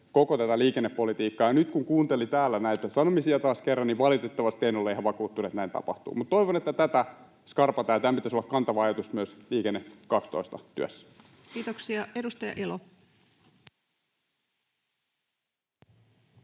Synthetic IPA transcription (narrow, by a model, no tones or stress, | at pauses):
kokot̪æt̪æliːkenːepːolit̪iːkːɑjɑnyt̪kuŋkuːnt̪elit̪æːlːænæit̪æsɑnomisiɑt̪ɑːskerːɑniʋʋɑlit̪et̪ːɑʋɑst̪einolːeihæʋʋɑkuːt̪ːuːnet̪næint̪ɑ̰pɑ̰ht̪ṵːmut̪t̪oiʋonet̪ːæt̪æt̪æ | skɑrpɑt̪æːt̪æmpit̪æsolːɑkɑnt̪ɑʋɑɑjɑt̪usmyøsliːkenːekɑkst̪o̰ist̪ɑt̪yøsːæ̥ | kiːt̪oksiɑedust̪ɑjɑ̰ʔelo̰